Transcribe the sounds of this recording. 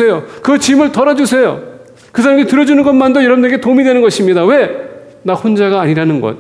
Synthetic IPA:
ejokɯt͡ɕimɯɭtʌɾʌd͡ʑusʰe̞jo̰ | kɯsʰaɾamitɯɾʌd͡ʑunɯnɡʌnmandʌjʌɾʌbundɯneɡe̞tomidwe̞nɯnɡʌɕʰimɲidawe̞ | nahond͡ʑaɡaːɲiɾanɯnɡʌ̰t̚

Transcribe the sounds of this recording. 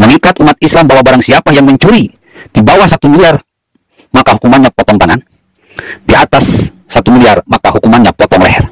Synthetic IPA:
məŋikat̪umat̪̚islambawabaɾaŋsiapajaŋməɲt͡ʃuɾi | dibawahsat̪umiliar | makaɦukumanɲapɔt̪ɔŋt̪aŋan | piat̪asː | at̪umiliarmakahukumanɲapɔt̪ɔŋlɛ̰ɦɛ̰r

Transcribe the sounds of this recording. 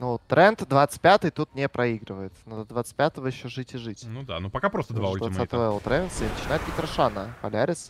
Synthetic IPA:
nut̪ːɾʔɛnt̪d̪vat̪sɨ̥t̪̚ʲpʲat̪ɨjt̪ut̪nʲepɾʔɐiɡɾɨvəjɪt̪nod̪ɐd̪vat̪stʲpʲat̪əvəjɪɕːoʐɨtʲɪʐɨtʲnud̪a̰nupɐkapɾost̪əd̪vaasat̪vɛlˠt̪ɾenʲɪnsɨɪnət͡ɕɪnajɪt̪̚ɡʲɪk̪ɾɐʂanəpɐlʲæɾʲɪs

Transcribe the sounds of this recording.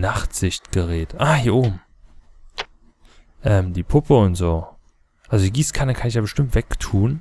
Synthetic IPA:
naχtz̥ɪçtɡ̥əʁɛːtʔaːhiːɐʔoːbm̩ | ʔɛːmdiːpʰʊpəʊntz̥oː | ʔalzodiːɡiːskʰanəkʰanɪçjaːbəʃtɪmtv̥ɛktʰuːn

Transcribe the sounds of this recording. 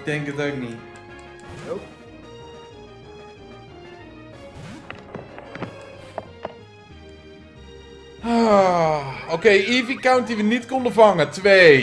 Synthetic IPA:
dɛŋkətok̚ni | a | okeːjivikawnt̚diʋənitkɔndəvaŋətʋeː

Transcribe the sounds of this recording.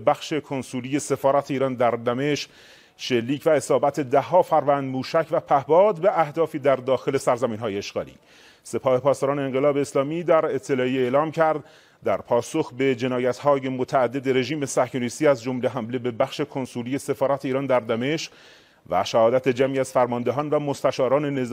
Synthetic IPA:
bæxʃe̞kʰonsuːliːje̞se̞fɒːɾæt̪ʰeiːɾɒːnd̪æɾd̪æme̞ʃq | ʃe̞lːiːcʰvæe̞sɒːbæt̪ʰed̪æɦːɒːfæɾvænd̪muːʃæcʰvæpʰæhbɒːd̪beæhd̪ɒːfiːd̪æɾd̪ɒːxe̞le̞sæɾzæmiːnɦɒːjeeʃɡɒ̰ːlḭː | se̞pʰɒːhe̞pʰɒːst̪ɒːɾɑːneeŋɢe̞lɒːbe̞ːslɒːmiːd̪æɾe̞t̪ʰːe̞lɒːie̞ːlɒːmcʰæɾd̪ | d̪æɾpʰɒːsoxbe̞d͡ʒe̞nɒːjæt̪hɒːje̞mot̪ʰæːd̪ːed̪e̞ɾe̞ʒiːme̞sæhkʰoniːst̪iːæzd͡ʒomle̞ɦæmle̞be̞bæxʃe̞kʰo̞nsuliːje̞se̞fɒːɾæt̪ʰeiːɾɑːnd̪æɾd̪æme̞ʃq | væ̰ʃæhɒːd̪æt̪ʰe̞d͡ʒæmiæz̥fæɾmɒnd̪eɦɒːnvæmost̪æʃɒːɾɒːne̞ne̞z

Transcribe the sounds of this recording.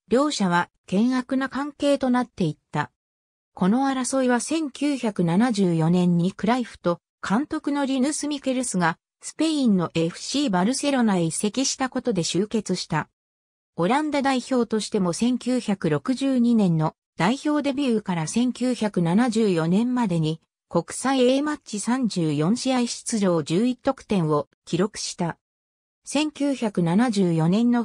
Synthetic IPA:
ɾʲo̞ːɕaβ̞a | kẽ̞ɰ̃akɯ̟nakãŋke̞ːt̪o̞nat̪ːe̞it̪ːa̰ | ko̞no̞aɾaso̞iβasẽ̞ŋkʲɨːçakɯ̟nanaʑɨːjo̞nẽ̞ɲ̟ːikɯ̟ɾaiɸɯ̥t̪o̞ | kʰãnt̪o̞kɯ̟no̞ɾʲinɯsɨmʲike̞ɾɯ̟sɨɡa | sɨ̥pe̞ĩnːo̞ʔe̞ɸɯ̟̥ɕiːbaɾɯ̟se̞ɾo̞naise̞kʲiɕi̥t̪ako̞t̪o̞d̪e̞ɕɨːke̞t͡sɨɕi̥t̪a | o̞ɾãnd̪ad̪aiço̞ːt̪o̞ɕi̥t̪e̞mo̞sẽ̞ŋkʲɨːçakɯ̟ɾo̞kɯ̟ʑɨːɲ̟inẽ̞nːo̞ | d̪̥aiço̞ːd̪e̞bʲiɯ̟kaɾasẽ̞ŋkʲɨːçakɯ̟nanaʑɨːjo̞nẽ̞mːad̪e̞ɲ̟i | ko̞kɯ̟̥saieːmat͡ɕisãɲ̟d͡ʑɨːjõ̞ɰ̃ɕiaiɕi̥t͡sɨʑo̞ːd͡ʑɨːit̪ːo̞kɯ̟̥t̪ẽ̞ɰ̃o̞ | kʲiɾo̞kɯ̟̥ɕi̥t̪a | sẽ̞ŋkʲɨːçakɯ̟nanaʑɨːjo̞nẽ̞nːo̞

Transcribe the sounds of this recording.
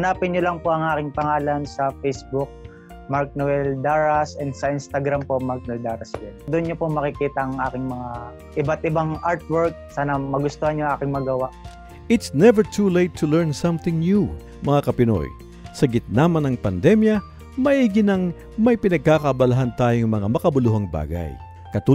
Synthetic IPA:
ɐnaːpɪnɲʊlɐŋpoʔɐŋʔaːkɪŋpɐŋaːlɐnsɐfɛjsbʊk̚ | maɹk̚nʊɛld̪aɹɐsɛnd̪sɐʔɪnst̪ɐɡɾampomaɾk̚nʊɛld̪aɾɐsjɛd̪ʊnɲopomɐkɪkiːt̪ɐʔɐŋʔaːkɪŋmɐŋa | ʔɪbat̪̚ʔɪbaŋʔaɹt̪̚wɛɹk̚saːnɐmɐɡʊst̪ohɐnjʊŋʔaːkɪŋmɐɡɐwaʔ | ʔɪt̪snɛvəɹt̪ʰulejt̪ʰːʊlɛɹnsɐ̃mθɪŋnju | mɐŋakɐpɪno̰j | sɐɡɪt̪̚naːmɐnɐŋpɐnd̪ɛmjɐ | mɐʔiːɡɪnɐŋ | mɐjpɪnɐɡ̚kakɐbɐlɐɦant̪aːjoŋmɐŋamɐkɐbʊluɦɐŋba̰ːɡa̰j | kɐt̪uː

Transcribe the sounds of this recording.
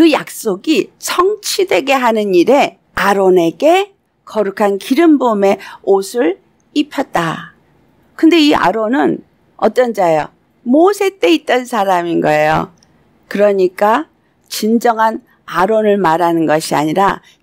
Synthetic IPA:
kɯjak̚s͈oɡit͡ɕʰʌŋt͡ɕʰidwe̞ɡe̞ɦanɯniɾe̞ | aɾone̞ɡe̞ | kʌɾukʰankiɾɯmbome̞osʰɯɭ | ipʰjʌt̚t͈a | kɯnde̞ia̰ɾonɯn | ʌt͈ʌnd͡ʑajo̰ | mosʰe̞t͈e̞it̚t͈ʌnsʰaɾaminɡʌe̞jo̰ | kɯɾʌɲik͈a | t͡ɕind͡ʑʌŋɦan | aɾonɯɭmaɾanɯnɡʌɕʰia̰ɲiɾa

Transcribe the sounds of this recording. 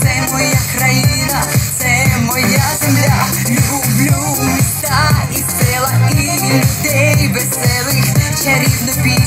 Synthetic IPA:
sɛmɔjakɾajinɐsɛmɔjazɪmlʲaɡublʲumʲɪst̪aisɛlˠɐiind̪ʲebɛsɛlˠɪxt͡ʃɛɾʲinɨpʲi

